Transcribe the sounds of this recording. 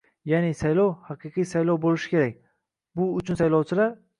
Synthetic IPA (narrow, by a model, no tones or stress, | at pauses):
janɪsajlɒwhɑqʰɨqʰijsajlɒwbolɪʃɪ̥kʲʰe̞ɾak̚ʲ | bʊʊt͡ʃʰʊnsajlɒwt͡ʃʰɪlaɾ